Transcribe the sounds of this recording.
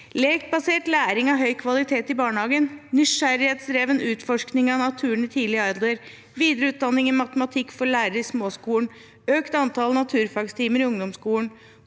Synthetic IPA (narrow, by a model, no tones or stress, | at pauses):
leːkbɑseːʈlæːɾɪŋɑɦœʏkʰʋɑlɪt̪ʰeːt̪ɪbɑːɳəhɑːɡənnʏʃæɾɪheːt̪sɾeːʋənʉːt̪fɔʂknɪŋɑnɑt̪ʰʉːəɳət̪ʰiːlɪɑɪd̪ld̪əɾ | ʋiːd̪ɾəʉːt̪̚d̪ɑnːɪŋɪmɑt̪əmɑt̪ʰɪkːfɔɭæːɾəɾɪsmoːskuːln | øːkt̪ɑnt̪ʰɑːlnɑt̪ʰʉːɾfɑɡst̪ʰiːməɾɪʊŋd̪ɔmskuːln̩